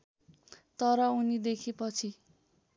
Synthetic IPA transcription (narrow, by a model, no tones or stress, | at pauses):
t̪ʌɾʌunid̪ekʰipʌt͡sʰi